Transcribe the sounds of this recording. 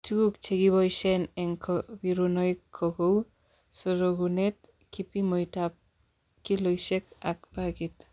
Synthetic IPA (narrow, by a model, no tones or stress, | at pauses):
tʰuɡuk̚t͡ʃʰeɡiβɔjsɛnɛŋkʰɔbiɾunɔjkʰːɔɡow | sɔɾɔɡunɛt̚ | kʰipimɔjtap̚ | kilɔjsɛkakpaɡit